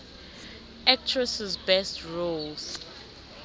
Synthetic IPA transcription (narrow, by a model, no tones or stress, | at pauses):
ak̚t͡ʃʰɹɛsɪzbɛstɹols